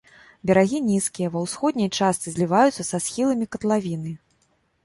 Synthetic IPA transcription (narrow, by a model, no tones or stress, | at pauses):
bʲɛɾaɣʲinʲiskʲijɐvɐwsxɔd̪ʲnʲɐjt͡ʂast̪sɨzʲlʲivajut̪sɐsasxʲilˠɐmʲikɐt̪lˠavʲinɨ